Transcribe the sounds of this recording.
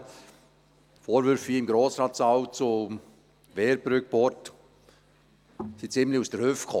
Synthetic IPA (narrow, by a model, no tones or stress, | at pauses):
foːɾvʏɾfiɪmɡɾoːsrɑːtsaʊwt͡so | vɛːɾbɾʏk̚pɔɾt | sit͡sɪmliusdəɾhøːfkʰɔ